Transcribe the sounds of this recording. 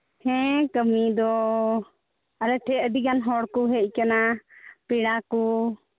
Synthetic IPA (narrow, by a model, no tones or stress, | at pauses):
hɛ̃kəmid̪ɔ | aɾɛʈʰɛəd̪iɡanɦɔɽkuɦɛʔ̚ˀkanapiɽaku